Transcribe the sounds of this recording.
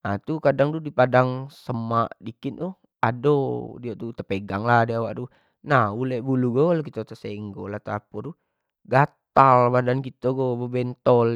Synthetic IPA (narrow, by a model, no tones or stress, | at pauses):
at̪ukadaŋd̪udipadaŋsəmaʔdikinu | adodiot̪ut̪əpeɡaŋladiawaʔdu | nahulɛʔbuluɡolokit̪ot̪əseŋɡolat̪apɔɾu | ɡat̪albadankit̪oɡobəbɛnt̪ɔl